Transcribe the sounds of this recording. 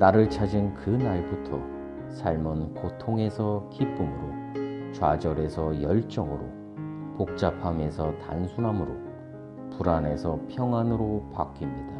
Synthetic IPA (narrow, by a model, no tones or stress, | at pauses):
naɾɯɭt͡ɕʰad͡ʑinkɯnaɭbutʰʌ | sʰaɭmɯnkotʰoŋe̞sʰʌkip͈umɯɾot͡ɕwad͡ʑʌɾe̞sʰʌjʌɭt͡ɕ͈ʌŋɯɾo̰ | pok̚t͡ɕ͈apʰame̞sʰʌta̰nsʰunɦamɯɾo | puɾane̞sʰʌpʰjʌŋanɯɾopak͈imɲid̥a